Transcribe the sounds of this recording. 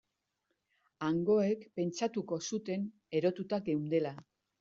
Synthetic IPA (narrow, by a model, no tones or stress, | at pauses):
aŋɡo̞e̞kpe̞nt͡ʃat̪uko̞sut̪e̞n | e̞ɾo̞t̪ut̪aɡe̞wnd̪e̞la